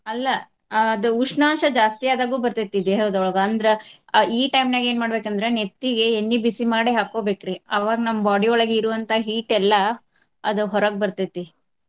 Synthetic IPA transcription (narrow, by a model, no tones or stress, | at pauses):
ɐlːɐː | d̪uuʂnaːmʃɐd͡ʒaːst̪ijaːd̪aːɡuːbɐɾt̪ɐt̪ːid̪eɦewd̪ɐʋɭɐɡɐːnd̪ɾeiːʈɐjmnaːɡeːnmaːɽbeːkɐnd̪ɐɾenet̪ːiɡe̞ːnːibisimaːɽeɦaːkoːbeːkɾiɐʋaːɡɐnɐmːɐbaːɽiɔɭɐɡeiɾuʋɐnt̪ʰɐɦiːʈɛlːɐ | ɐd̪uɦɔɾɐɡ̚bɐɾt̪it̪ːi